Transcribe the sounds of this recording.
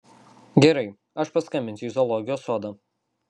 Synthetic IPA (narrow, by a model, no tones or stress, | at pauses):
ɡʲɛɾɐɪ | ɐʃpɐskɐmʲɪnʲsʲzɔlˠɔɡʲɪjoːsuɔd̪ɐ